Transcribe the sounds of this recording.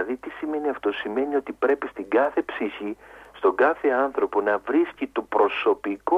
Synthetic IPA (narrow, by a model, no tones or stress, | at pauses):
ɐðit̪isime̞niɐft̪o̞sime̞nio̞t̪ipɾe̞pist̪iŋɡɐθe̞psiçist̪o̞ɡɐθe̞ɐnθɾo̞po̞nɐvɾiscit̪opɾo̞so̞piko